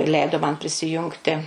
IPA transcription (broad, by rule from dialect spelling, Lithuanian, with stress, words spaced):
ˈlʲɛɪdoː mɐn pʲrʲɪsʲɪˈjʊŋktʲɪ